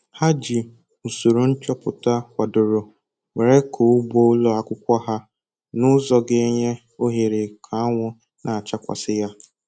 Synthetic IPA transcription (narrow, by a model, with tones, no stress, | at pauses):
ha˦d͡ʒi˨ | u˨so˨ɾo˨n̩˦t͡ʃɔ˦pʊ˨ta˦kʷa˨dʊ˨ɾʊ˨ | wʷe˨ɾe˦kʰo˨ʊ˦bo˦lɔ˦a˦kʷʊ˦kʷa˦ɦa˦ | nʊ˦zɔ˦ɡe˦e˦ɲe˦ | o˦ɦe˨ɾe˨kʰa˨a˦ŋʷʊ˦ | nʔa˨t͡ʃa˦kʷa̰˨sɪ˦ja˦